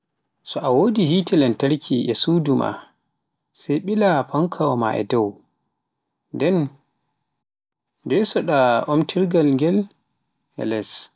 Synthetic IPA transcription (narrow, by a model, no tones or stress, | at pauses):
sɔʔawoːdihitʰɛlɛntaɾkʰiʔɛsuːduma̰ | sɛjɓilapʰaŋkʰawɔma̰ɛ̰dɔw | ndɛn | dɛsɔɗaomtʰiɾɡalŋɡɛl | hɛ̰lɛs